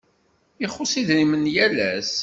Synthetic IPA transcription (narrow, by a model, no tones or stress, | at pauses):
ɪχʊsiðɾimənjælæs